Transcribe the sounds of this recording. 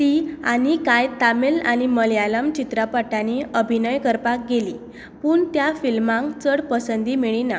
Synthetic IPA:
t̪ia̰ñikajt̪amelaniməljalamt͡ɕit̪ɾapaʈaneəbʱinəjkəɾpak̚ɡeli | puːɳt̪jafilmãŋkt͡səɽpəsənd̪imiɭina

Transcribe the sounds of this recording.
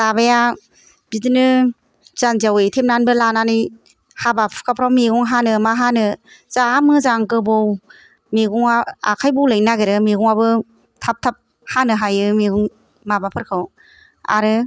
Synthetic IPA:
tabaja | bidɯnɯ | zanzawɯjtʰem̚nanbɯlananɯj | habapʰkʰapʰɾawmiɡɔŋɦanɯmaɦanɯz̥amɯzaŋkɯbow | miɡuŋaa̰kʰajbɔwlajnaɡeɾɯmiɡɔŋabɯ | tʰap̚tʰap̚ | hanɯɦajɯmiɡuŋ | mabapʰɯɾkʰɯw | a̰ɾɯ

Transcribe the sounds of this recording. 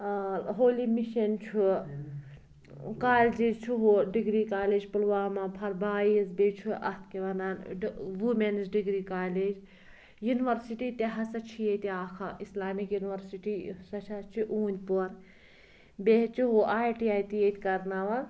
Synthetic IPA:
ɦoːlimiʃɐnt͡ʃʰu | kaːld͡ʒizt͡ʃʰuɦuɖiɡɾiːkaːleːd͡ʒpɐlʋaːmaːpʰɐɾbaːiɐzbʲeːt͡ʃʰuʔɐ̰t̪̚ʰkeʋɐnaːnʋumenizɖiɡɾiːkaːled͡ʒ | juniʋɐɾsiʈiːt̪eɦɐsɐt͡ʃʰijet̪iaːkʰɐʔislaːmikjuniʋɐɾsiʈiːsɐt͡ʃʰɐt͡ʃʰiʔuːnʲpuɾ | bet͡ʃuɦuʔaːjʈiaːjt̪iet̪ʲkɐɾnaːʋɐ

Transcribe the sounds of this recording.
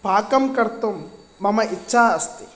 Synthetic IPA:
paːkɐmkɐɾt̪umː | ɐmɐʔit͡ʃːʃʰaːɐst̪i̥

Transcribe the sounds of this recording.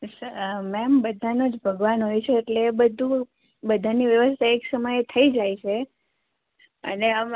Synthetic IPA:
səmɛmbəd̪ʱanod͡ʒbʱəɡʋanɦojt͡ʃʰeːʈlebəd̪ʱu | bəd̪ʱaniʋjəʋəst̪ʰaeksəməjet̪ʰəid͡ʒajt͡ʃʰe | ə̰neə

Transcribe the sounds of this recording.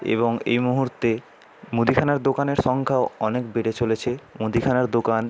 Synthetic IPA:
ḛβoŋḛjmuɦuɾt̪e | mud̪ikʰanaɾd̪okaneɾʃɔŋkʰaoɔnekbeʈet͡ɕolet͡ɕʰemud̪ikʰanaɾd̪okan

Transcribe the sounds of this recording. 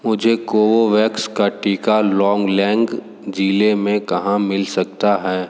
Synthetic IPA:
mʊd͡ʒʱekoːʋoʋɛːkskaʈiːkalɔ̃ːŋɡlɛ̃ːŋɡ | d͡ʒiːlemẽkɐɦãmɪlsɐk̚t̪aɦɛː

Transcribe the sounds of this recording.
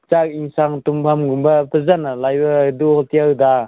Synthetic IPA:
t͡ʃak̚iŋsaŋtumpʰamɡumbatɯzanalajbɐduhɔltijawda

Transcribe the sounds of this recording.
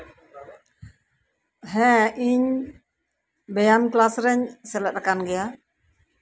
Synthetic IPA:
ɦɛ̃ʔiɲ | bɛjamklasɾɛɲsɛlɛʔt̪akanɡɛja

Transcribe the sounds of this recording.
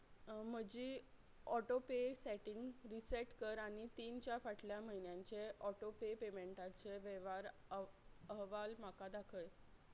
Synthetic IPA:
m̤əd͡ʑiː | ɔʈopeseʈiŋɡɾiseʈkəɾaɽ̃it̪iːnt͡ɕjafaʈʰljaməɦinjãɲt͡seʔɔʈopepemeɳʈat͡seʋeʋaɾ | əɦʋalm̤akad̪akʰəj

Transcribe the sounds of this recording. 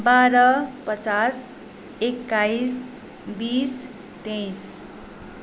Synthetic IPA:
baɾʌpʌt͡sas | ekːajs | bis | t̪ẽjs

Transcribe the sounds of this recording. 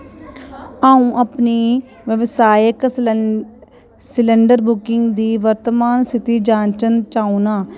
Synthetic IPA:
aːũːʔəpniː | ʋəʋsaːjək | sɪləɳɖəɾbʊkɪŋɡd̪iːʋəɾt̪əmaːnsɪt̪iːd͡ʒãːnt͡ʃənt͡ʃaːũnaː

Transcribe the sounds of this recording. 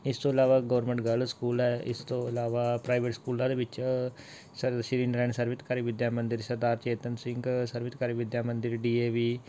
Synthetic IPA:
ɪst̪õːɪlaːʋaːɡəːɾmə̃ɳʈɡəlskuːlɛːɪ̰st̪õːəlaːʋaːpɾaːɪʋeːʈskuːlãːd̪eːʋɪt͡ʃ | səɾʃɪɾiːnɾɛːɳsəɾʋɪt̪kaːɾiːʋɪd̪jaːmənd̪ɪɾsəɾd̪aːɾt͡ʃeːt̪ənsɪ̃ŋɡsəɾʋɪt̪kaːɾiːʋɪd̪jaːmə̃nd̪ɪɾɖiːeːʋiː

